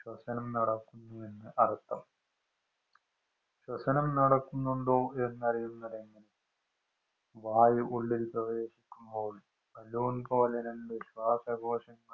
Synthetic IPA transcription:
ɕwɐsɐnɐmnɐɽɐkːunːue̞nːɨʔɐrt̪ːɐm | ɕwɐsɐnɐmnɐɽɐkːunːuɳɖo̞ːe̞nːɐrijunːɐðeŋɡilɨ | ʋaːjɨʔuɭːilprɐʋe̞ːɕikʲːumbo̞ːɭum | bɐloːnpo̞ːleneniɕʋaːsɐɡʱo̞ːʂɐŋːɐ

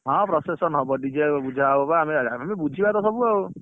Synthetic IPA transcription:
ɦɔ̃pɾɔsesɔnɦɔbɔɖid͡ʒeɔbud͡ʒʱabɔbaɦamiaamibud͡ʒʱibat̪ɔsɔbuao

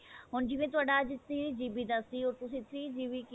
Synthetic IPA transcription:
ɦʊnd͡ʒiːʋẽt̪ʊaːɖad͡ʒt̪iɾid͡ʒiːbid̪asiɔːɾt̪ʊsĩt̪ʰɾiːd͡ʒiːʋik

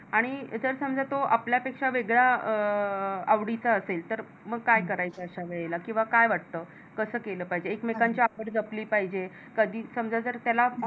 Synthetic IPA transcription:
aɽ̃id͡zəɾsəmd͡zat̪oʔapljapekʂaʋeɡɭaə | aʋɽit͡saəselt̪əɾ | məɡ̚kajkəɾajt͡saəɕaʋeɭlakĩw̃ʋakajʋaʈ̚t̪əː | kəsəːkeləːpaɦid͡ʑeːkmekaɲt͡ɕiapəɽd͡zəpliːpaɦid͡ʑe | kəd̪ʱiːsəmd͡zad͡zəɾt̪jala

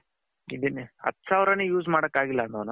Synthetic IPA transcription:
id̪enɐ̰t̪ːsaːʋɾɐnejuːzmaːɽɐkːaːɡilːɐnɐnu

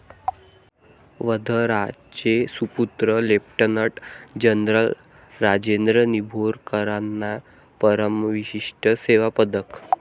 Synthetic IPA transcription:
ʋəd̪ʱəɾat͡ɕesuput̪ɾəlepʈənəʈd͡ʑənɾəl | ɾad͡ʑend̪ɾənibʱoɾkəɾanːa | pəɾəmʋiɕiʂʈəseʋapəd̪ək

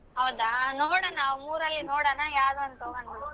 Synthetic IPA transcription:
ɦɐwd̪anoːɽɐnaːumuːɾɐlːinoːɽɐnajaːd̪oɐnt̪oːɡɐna

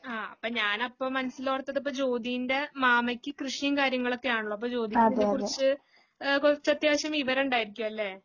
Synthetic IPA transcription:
aːɐpːoːɲaːnɐpːo̞ːmɐnɐsːiloːrɐt̪ːɐðɐp̬ːo̞ːt͡ɕo̞ːd̪ijinde̞maːmɐkʲːɨkrɨʂijɐmkaːɾjɐŋːɐɭo̞kːe̞jaːɳuɭoɐp̬ːo̞ːt͡ɕo̞ːd̪ikɐkurit͡ɕːɨ | kot͡ɕːɐt̪jaːʋɐɕjɐmiʋɐɾeuɳɖaːjiɾikʲːuʋɐɐlːe̞ː

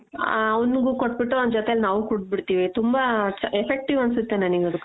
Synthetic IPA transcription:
ɐunɡukoʈ̚ːbiʈːuond̪d͡ʒɔt̪ejɐlnaːʋukuɽ̚biɽt̪iːʋit̪umbat͡ʃɐefʰek̚ʈiʋɐnsut̪ːenɐniɡɐd̪ukː

